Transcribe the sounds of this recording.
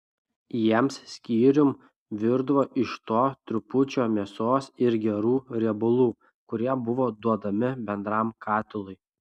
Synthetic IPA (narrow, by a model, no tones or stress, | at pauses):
jiɛmssʲkʲiːɾʲʊm | ʋʲɪɾd̪ʋoːʔɪʃt̪oːt̪ʲɾʲʊpʊt͡ʃʲoːmʲiɛsoːsɪɾɡʲɛɾuːɾʲɛɛbʊlˠuː | kʊɾʲiɛbʊʋoːd̪uɔd̪ɐmʲɪbʲɛnd̪ɾɑmkʰɑːt̪ʲɪlˠʊɪ